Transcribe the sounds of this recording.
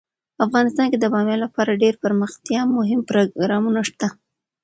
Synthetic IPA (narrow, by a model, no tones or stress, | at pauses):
afɣɑnɪst̪ɑnked̪əbɑmjɑlapɑɾaɖeɾpəɾməxt̪jɑmʊɦɪmpɾoɡɾɑmunaʂt̪a